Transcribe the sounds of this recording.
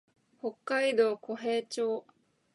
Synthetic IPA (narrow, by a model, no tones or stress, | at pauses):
ho̞kːaid̪o̞ːko̞ɦe̞ːt͡ɕoː